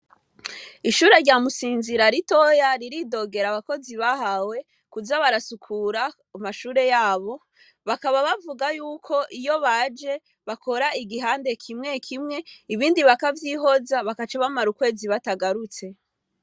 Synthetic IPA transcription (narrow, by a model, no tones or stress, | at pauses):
iʃuːɾe̞ɾɟaːmusiːnziɾaɾito̞jaɾiɾido̞ɡe̞ɾaβako̞ziβahawe̞ | kuzaβaɾasukʰuɾa | umaʃuːɾe̞jaːβo̞ | βakaβaβavuɡajuːkʰo̞ʔijo̞βad͡ʒe̞ | βakʰo̞ɾaiɡiɦaːnde̞kʰimŋe̞kʰimŋe̞iβiːndiβakavjiːɦo̞zaβakat͡ʃaβamaɾukwe̞ːziβataɡaɾut͡se̞